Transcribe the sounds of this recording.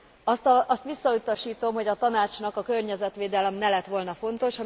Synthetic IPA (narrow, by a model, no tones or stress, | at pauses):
ɒst̪ɒʔɒst̪ʋisːɒut̪ɒʃiːt̪o̞mɦo̞ɟɒt̪ɒnaːt͡ʃnɒkɒkørɲɛzɛt̪ʋeːd̪ɛlɛmnɛlɛt̪ʋo̞lnɒfo̞n̪t̪o̞ʃɒ